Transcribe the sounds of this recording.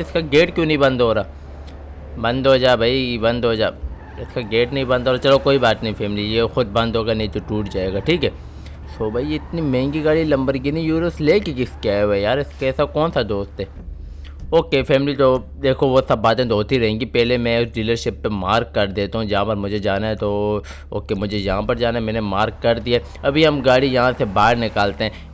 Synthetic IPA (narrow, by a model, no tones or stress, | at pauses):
ɪskaɡeːʈkjũːnɐɦĩbɐ̃nd̪ɦoːɾaː | bɐ̃nd̪ɦoːd͡ʒaːbʱaibɐ̃nd̪ɦoːd͡ʒaː | ɪskaɡeːʈnɐɦĩbɐ̃nd̪ɦoːɾaːt͡ʃɐlokoːibaːt̪nəĩpʰɛːmlijeːxʊd̪̚bɐ̃nd̪ʱɦoːɡanɐɦĩt̪oʈuːʈd͡ʒaːeːɡaːʈʰiːkɦɛː | soːbʱaːiɪt̪nimɛ̃ːŋɡiɡaːɭilɐ̃mbəɾɡinijuːɾəsleːkekɪskeaːoejaːɾɪskɛːsakɔːnsad̪oːst̪ɦɛː | oːkefʰɛːmlit̪od̪eːkʰoʋosɐbːaːt̪ẽd̪oːst̪iɾɐɦẽːɡipɛːɦlemɛ̃ʊsɖiːləɾʃɪpːemaːɾkːɐɾd̪eːt̪aɦũd͡ʒɐɦãpɐɾmʊd͡ʒʱed͡ʒaːnaɦɛ̃t̪o | oːkemʊd͡ʒʱejɐɦãpɐɾd͡ʒaːnaɛmɛ̃ːnemaːɾkːɐɾd̪ijaɛ | ɐbʱiɦɐmɡaːɽijɐɦãsebaːɽnɪkaːlt̪eɦɛ̃